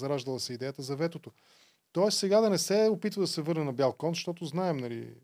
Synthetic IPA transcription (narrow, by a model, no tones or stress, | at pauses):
zɐɾaʒd̪əlˠəsɛid̪ɛjət̪əzɐvɛt̪ot̪o | t̪ɔɛssɛɡad̪ɐnɛsɛopit̪vəd̪ɐsɛvɤɾnɛnɐbjalˠkɔnzʃt̪ɔt̪ʊznaɛmnɐlḭ